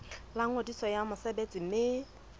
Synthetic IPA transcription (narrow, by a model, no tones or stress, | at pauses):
laŋ̩odisɔjamʊsebet͡sʼɪmɪ